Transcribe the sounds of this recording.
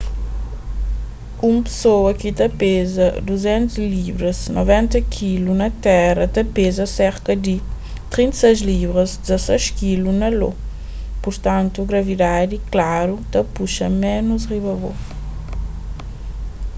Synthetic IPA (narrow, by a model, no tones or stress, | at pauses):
umpsoɐkit̪ɐpezɐd̪uzɛ̃nt̪uzlivɾɐznɔvɛ̃nt̪ɐkʰilunɐt̪ɛrɐt̪ɐpezɐsɛɾkɐd̪i | t̪ɾĩnt̪sɛjzlivɾɐzd̪zɐsɛʃkilunɐlo̰ | puɾt̪ãnt̪uɡɾɐvid̪ad̪iklaɾut̪ɐpuʃɐ̰mɛnuzʁiβɐvo̰